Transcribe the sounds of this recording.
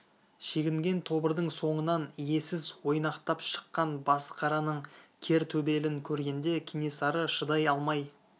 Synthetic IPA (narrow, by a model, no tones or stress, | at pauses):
ʃe̞ɡʲɪŋɡʲe̞nt̪ʰo̞bəɾd̪əɴso̞ɴənɑnije̞sɪzwo̞jnɑqt̪ɑpʃə̥qːɑnbɑsə̥qʰɑɾɑnəɴkʲʰe̞ɾt̪ʰɵbe̞lɪŋkʲʰɵɾɡʲe̞nd̪e̞kʲʰine̞sɑɾəʃəd̪ɑjɑlˠmɑj